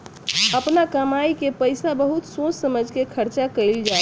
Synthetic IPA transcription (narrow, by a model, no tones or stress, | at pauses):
əpnakəmajkepəjsabəɦut̪sõssəməd͡ʒʱkekʰəɾt͡ʃakəɪld͡ʒae